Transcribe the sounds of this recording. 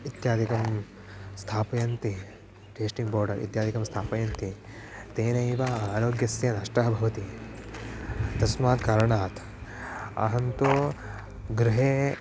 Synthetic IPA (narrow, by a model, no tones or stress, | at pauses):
it̪jaːd̪ʱikɐm | st̪ʰaːpɐjɐnt̪i | ʈeːsʈiŋɡboːɾɖɐɾʔḭt̪jaːd̪ʱikɐmst̪ʰaːpɐjɐnt̪it̪eːnɐjʋɐaːɾoːɡjɐsjɐnaːʂʈɾɐɦɐbʱɐʋɐt̪i | t̪ɐsmaːt̪kaːɾɐɳaːt̪ | ɐ̰ɦɐnt̪u | ɡɾɪɦeː